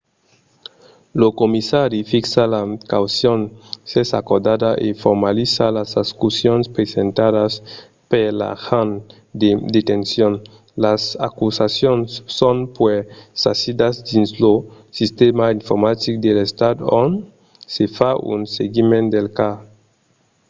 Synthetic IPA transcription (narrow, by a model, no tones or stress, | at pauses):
lokomisaɾifiksalakawsjonsesa̰koɾd̪ad̪aʔefoɾmalisalasaskusjonspɾesent̪aðas | pela̰xan | d̪ed̪et̪ensjon | lasakusasjonsːonpwesasid̪azd̪inzlo | sist̪emaiɱfoɾmat̪ikd̪elest̪ad̪on | sefaʔṵnseɡimend̪elka